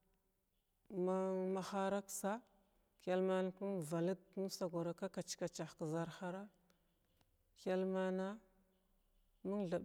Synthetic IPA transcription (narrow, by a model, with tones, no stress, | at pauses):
ma˦ma˨xa˦ɾa˦ksa˦ | ka˨lma˦n˦ku˦n˨va˨li˦dnu˦sa˨ɡo˨ɾa˨ka˦ka˨t͡ʃka˨t͡ʃa˨xkə˨za˨ɾxa˦ɾa˦ | kʲa˦lma˦na˦ | mu˦nɮa˨